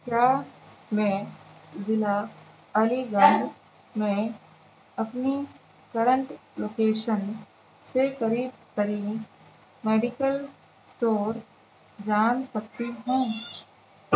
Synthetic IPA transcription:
kjaːmẽzɪla | əliɡãŋɡ | mẽ | ɐpni | kəɾə̃ɳʈloːkeːʃən | sekəɾiːb̚kəɾi | meːɖɪkəl | sʈoːɾ | d͡ʒaːnsɐk̚t̪iɦũː

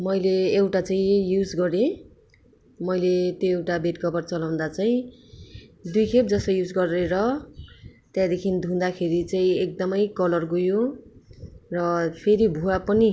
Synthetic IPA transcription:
mʌjleːwʈat͡saĩjud͡zɡʌɾẽ | mʌjlet̪joewʈabeʈkʰʌbʌrt͡sʌlaw̃nd̪at͡saĩ | d̪ujkʰep̚d͡zʌsʌjud͡zɡʌreɾʌ | t̪jãd̪ekʰind̪ʱũnd̪akʰeɾit͡saĩek̚d̪ʌmʌjkʌlʌrɡujo | rʌpʰeɾibʱuapʌni

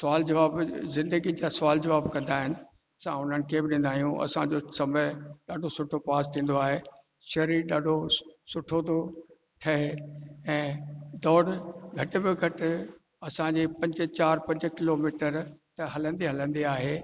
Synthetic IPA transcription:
sʊʋaːld͡ʑɐʋaːbzɪ̃nd̪əɡid͡ʑaːsʊʋaːld͡ʑɐʋaːbkɐ̃nd̪aːɦɪnɪ̆ | sã̰ʊn̤ənɪ̆kʰebɪɗɪ̃ːn̆d̪aːɦijũʔɐ̰sãd͡ʑosɐməɗaːɖʱosʊʈʰopaːst̪ʰĩːn̆d̪oaːɦeː | ʃɐɾiɗaːɖʱosʊʈʰot̪o | ʈʰɐɦeɛ̃ːd̪ɔːɽɡʱɐʈɪ̆bɪɡʱɐʈɪ | ɐsãɲd͡ʑepɐ̃ɲd͡ʑ̆t͡ɕaːɾpɐ̃ɲd͡ʑkɪloːmiːʈəɾt̪ɐɦɐlə̃nd̪iɦɐlə̃nd̪iaːɦeː

